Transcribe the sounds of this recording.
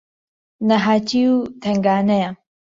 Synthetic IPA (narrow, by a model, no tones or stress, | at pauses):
nɐɦaːt̪ʰiut̪ʰɐŋɡaːnɐjɐ